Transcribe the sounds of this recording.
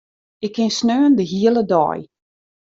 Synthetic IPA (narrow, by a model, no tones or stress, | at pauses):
ɪkʰːɪnsnøːəndəɦiələdɔ̰ːj